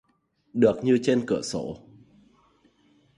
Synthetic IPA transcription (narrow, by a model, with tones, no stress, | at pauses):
ɗɨ˨˩ək̚ɲɨ˧t͡ɕe˧nkɨ̰˧˩əso̰˧˦